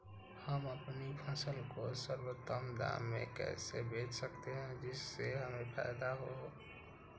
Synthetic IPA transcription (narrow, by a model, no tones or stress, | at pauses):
həməpnipʰəsəlkosəɾwət̪ːəmd̪a̰mːḛkɛ̰sebet͡ʃʰsəkt̪eɦɛ̃d͡ʒɪsːeɦəmepʰa̰ɪd̪aɦo